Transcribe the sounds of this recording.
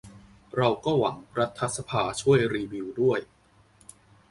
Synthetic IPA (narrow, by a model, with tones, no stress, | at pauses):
ɾa˧wkɔː˥˩wa˩˦ŋɾa˦˥t̪ʰːa˦sa˧pʰaː˧t͡ɕʰu˥˩əjɾiː˧wi˧wdu˥˩əj